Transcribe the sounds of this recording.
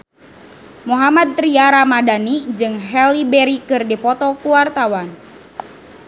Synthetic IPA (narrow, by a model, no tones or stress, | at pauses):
muɦamad̪̚t̪ɾiaɾamadanid͡ʒɨŋɦɛlibɛɾikɨrdipɔt̪ɔkuwart̪awan